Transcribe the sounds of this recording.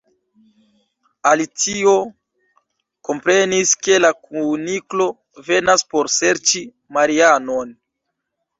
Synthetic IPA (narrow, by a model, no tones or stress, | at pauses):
alit͡sio̞ | ko̞mpɾe̞niske̞lakuniklo̞ | ve̞naspo̞ɾse̞ɾt͡ʃi | maɾiano̞n